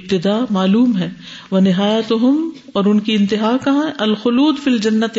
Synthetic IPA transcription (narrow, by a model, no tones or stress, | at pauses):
b̚t̪ɪd̪aːmaːluːmɦɛː | ʋɐnɪɦaːjət̪ɦʊm | ɔːɾʊnkiɪ̃nt̪ɪɦaːkɐɦãɦɛʔɐlxʊluːd̪fild͡ʒɐnːɐt̪